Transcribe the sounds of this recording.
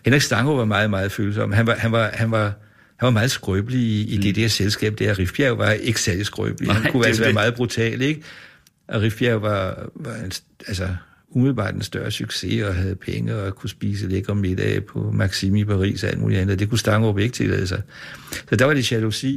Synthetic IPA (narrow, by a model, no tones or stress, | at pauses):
henʁiɡsd̥ɑ̈ŋoʋɑ̈mɑ̈ːð̩ˠmɑ̈ːð̞̩ˠføːl̩s̬ɒ̽m̰hænʋɑhænʋɑ̈hænʋɑ̈ | hænʋɑ̈mɑ̈ːð̞̩ˠsɡ̥ʁœb̥əliiid̥e̝d̥eɐselsɡ̥ɛ̰ːb̥̚d̥æɐʁifjæʊʋɑ̈e̝ɡ̥ə̥sæɐlisɡ̥ʁœ̰b̥lihænkʰuælsʋæːɐɐmɑ̈ːð̩ˠb̥ʁut͡sʰɛ̰ːle̝ɡ̥ə | ʔɒ̽ʁifjæʊʋɑ̈ʋɑ̈ens | ælsɒ | umiðlˠb̥ɑ̰̈ːd̥ensd̥ɶɐsyɡ̥se̝ɒ̽ɦæð̞̩ˠpʰeŋəɒkʰusb̥ḭːs̬əleɡ̥ɐʁɐme̝d̥ɛ̰pʰɒ̽mɑ̈ɡ̥simipʰɑ̈ʁḭːsɒ̽æ̰ld̥mṵːliænð̩ˠd̥e̝kʰusd̥ɑ̈ŋob̥e̝ɡ̥t͡sʰe̝lɛ̰ːð̞̩̰ˠsɑ̈ɪsɒ̽d̥ɑ̈ʋɑ̈d̥e̝ɕælusḭ